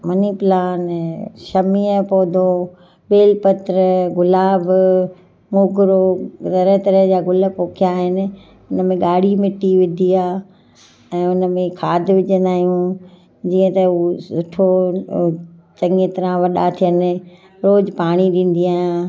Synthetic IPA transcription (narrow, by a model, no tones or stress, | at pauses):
mɐnipɪlaːnʃɐmiːəpɔːd̪ʱo | ɓeːlpɐt̪ɾəɡʊlaːb | moːɡɾotɐɾəɦt̪ɐɾəd͡ʑaːɡʊlə̆poːkʰijaːɦɪnɪ̆ | ʊnəmẽɡaːɽimɪʈiʋɪd̪ʱiaː | ɛ̃ːʊnəmẽkʰaːd̪ʱʋɪʄə̃nd̪aːɦijũ | d͡ʑiːə̃t̪ɐsʊʈʰo | t͡ɕɐŋet̪ɐɾãʋɐɗat̪ʰijənɪ̆ | ɾoːd͡ʑpaːɽ̃iɗĩːn̆d̪iaːjãː